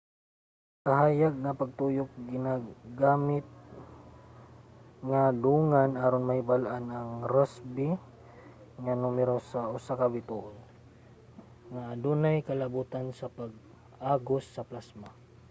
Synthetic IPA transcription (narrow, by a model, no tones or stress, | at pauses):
kaɦaːjaɡ̚napaɡ̚t̪ujʊk̚ɡɪnaɡaːmɪt̪̚ | ŋad̪uːŋanaːɾonmahɪbalʔanaŋɾasbɪ | ŋanumɛɾosaʔʊsakabɪt̪uʔʊn | ŋaːd̪unajkɐlabuːt̪ansapaɡ̚ | ʔaːɡosːɐplasma